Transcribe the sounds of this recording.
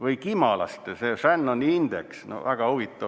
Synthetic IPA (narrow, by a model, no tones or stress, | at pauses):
ʋɯikimɑlɑ̰st̪serænːonind̪ḛksno̰ʋæɡ̥ɑhuʋit̪ːɑ